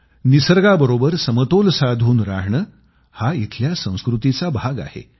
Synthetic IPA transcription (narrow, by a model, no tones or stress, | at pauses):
nisəɾɡabəɾobəɾsəmət̪olsad̪ʱuːnɾaɦɳə | hait̪ʰljasə̃w̃skɾut̪it͡sabʱaɡa̰hḛ